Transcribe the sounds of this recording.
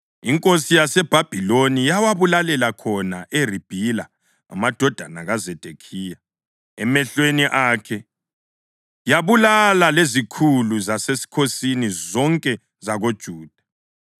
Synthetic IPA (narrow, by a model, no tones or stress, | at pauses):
iŋkʼosijasɛb̥ʱab̥ʱilonijawaβulalɛlakʰɔnaʔerib̥ʱila | a̰mad̥ʱɔd̥ʱanaɣazɛd̥ʱekʰiːja | ɛmɛɬweniʔaːkʰɛ | jaβulalalezikʰuluzasesi̥kʰosinizɔŋkʼɛ | zaɣod̥ʒ̥ʱuːd̥ʱḁ